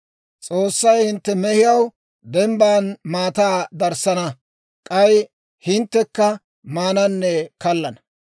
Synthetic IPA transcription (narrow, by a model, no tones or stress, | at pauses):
t͡sʼoːsːɐjhɪnt̪ːɛmɛhɪjɐw | d̪ɛmbaːnmaːt̪aːd̪ɐɾsɐnɐ | kʼɐj | hɪnt̪ːɛkːɐ | maːnɐnːɛkɐlːɐnɐ